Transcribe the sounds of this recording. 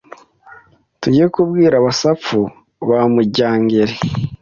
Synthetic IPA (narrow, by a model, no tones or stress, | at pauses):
tuɟijekubɡiːɾaβasap͡fu | βamuɟaːŋɡeɾe